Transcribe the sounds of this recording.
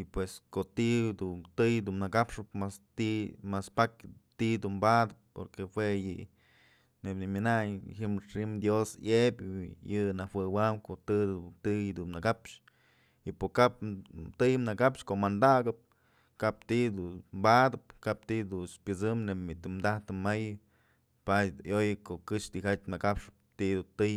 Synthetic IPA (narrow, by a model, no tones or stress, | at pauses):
ipweskoʔt̪id̪ut̪ɨjd̪umnɨkapʂɨpmast̪imaspakt̪iʔd̪umbad̪ɨpːo̰ɾkehwejɨ | nepnimʲinajhɨmʂimd̪josebʲjɨnawɨwamkoʔt̪ɨd̪ut̪ɨjd̪unnɨkapʂ | ipokapt̪ɨjɨmnakapʃkoʔmand̪aɡɨp̚ | kapt̪iʔd̪umbad̪ɨp̚kap̚t̪id̪unspʲɨt͡sɨmnepmit̪ɨmd̪aht̪ɨmajɨ | paj̪jojɨkoʔkɨʂd̪ihat͡ʃʲnɨkapʂɨ̥p̚t̪id̪ut̪ɨj